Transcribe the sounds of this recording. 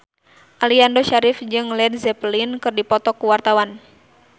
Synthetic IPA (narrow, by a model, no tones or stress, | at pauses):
ʔaliandɔʃaɾifd͡ʒɨŋlɛd̚zɛplinkɨrdipɔt̪ɔkuwart̪awan